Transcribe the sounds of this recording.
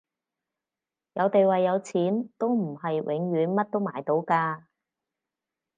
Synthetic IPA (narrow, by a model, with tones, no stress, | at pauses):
jɐ˨˧wt̪e˨jwɐ˨jːɐ˨˧wt͡sʰiː˨˥nt̪o˥wm̩˨˩hɐ˨jwʔɪ˨˧˥ŋɥyː˨˥nmɐ˥t̚t̪o˥wma̰ː˨˩jt̪o˨˥wkaː˧